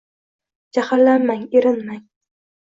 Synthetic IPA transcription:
d͡ʒahalːanmaŋeɾɪnmaŋ

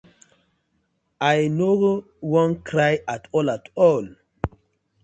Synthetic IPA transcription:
ajno | wɔ̃nkɾajatʰɔlatʰɔl

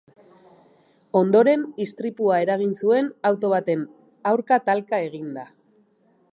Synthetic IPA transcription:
o̞nd̪o̞ɾe̞nist̪ɾipuae̞ɾaɣ̞insue̞nawt̪o̞β̞at̪e̞n | awɾkat̪alkae̞ɣ̞ind̪a

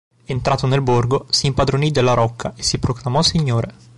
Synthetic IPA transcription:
ent̪ɾaːt̪onelborɡosiːmpad̪ɾonid̪elːaɾɔkʰːaesːipɾoklamɔsːiɲːoːɾe

